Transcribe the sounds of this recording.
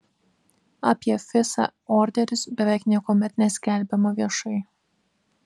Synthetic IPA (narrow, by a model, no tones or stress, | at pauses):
ɑpʲiɛfʲɪsɑ̰ɔːɾʲd̪ʲɛɾʲʊsbʲɛʋʲæˑɪknʲiɛkoːmʲɛt̪nʲɛsʲkʲɛlʲbʲɛmɐʋʲiɛʃɐɪ